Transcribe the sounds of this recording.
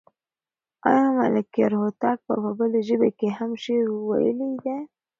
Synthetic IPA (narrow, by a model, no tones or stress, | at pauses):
ɑ̰jɑmaləkeɾhot̪ɑk̚pə̰pəbəleʒəbekeɦamʃeɾwa̰jə̰led̪e